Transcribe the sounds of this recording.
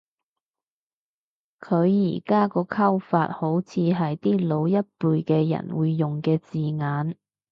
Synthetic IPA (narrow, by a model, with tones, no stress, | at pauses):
kʰɵ˨˧ɥjḭː˨˩kaː˥kɔː˧kʰɐ˥wfaː˧t̚ho˨˥wt͡sʰiː˨˧ɦɐ˨jt̪iː˥lo˨˧wjɐ˥t̚puː˨˧jkɛː˧jɐ̰˨˩nwuː˨˧jːʊ˨ŋkɛː˧t͡siː˨ŋaː˨˥n